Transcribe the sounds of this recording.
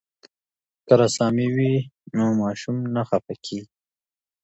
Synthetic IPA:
kaɾasɑːmiwinomɑːʃumnaxafakʰi

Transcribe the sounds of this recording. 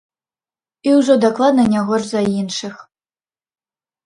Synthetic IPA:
iwʐɔd̪aklˠad̪nɐnʲaɣɔʐzɐinʂɨx

